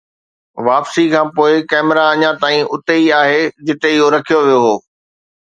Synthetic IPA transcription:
ʋaːpsikʰãːpoːɪkɛːmɪɾaɐɲãt̪aːĩʔʊt̪eiaːɦed͡ʑɪt̪eɪɦoɾɐkʰijoʋijoɦoː

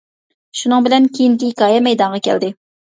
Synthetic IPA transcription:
ʃunɨŋbɪlɛnkʲʰejiŋkʲiikɑːjɛmɛjd̪ɑɴʁɑkʲʰɛ̰ld̪ɪ

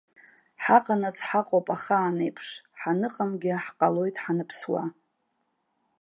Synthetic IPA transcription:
ħaqʼanat͡sʰħaqʼopʼaχaːnejpʰʂħanɨqʼamɡʲɪħqʼalo̞jtʼħanɨpʰswa̰

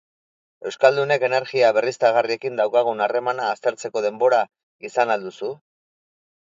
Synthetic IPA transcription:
e̞wskald̪une̞ke̞ne̞ɾɣiaβe̞rist̪aɣ̞arie̞kind̪awkaɣ̞unare̞manaːst̪e̞ɾt͡se̞ko̞ð̞e̞mbo̞ɾa | isanald̪usu

